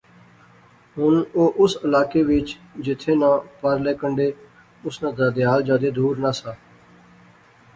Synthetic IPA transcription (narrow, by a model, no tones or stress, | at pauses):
ɦʊnoːʔʊsəlaːkeːʋɪt͡ʃd͡ʒɪt̪ʰːeːnãːpəɾlɛːkəɳɖeː | ʊsnãːd̪aːd̪ɪaːld͡ʒaːd̪eːd̪uːɾnãːsaː